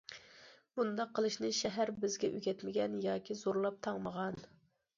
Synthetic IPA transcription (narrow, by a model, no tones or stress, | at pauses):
b̥und̪ɑqʰːəlˠɨʃnɨʃɛɦæɾbɪzɡʲɛʔyɡʲɛt̪mɪɡʲɛnjɑːkʲʰizoɾlˠɑp̚t̪ʰɑŋməʁɑn